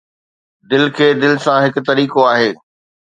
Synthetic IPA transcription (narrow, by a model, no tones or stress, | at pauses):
d̪ɪlkʰeːd̪ɪlɪsãɦɪkʊ̆t̪ɐɾiːkoaːɦeː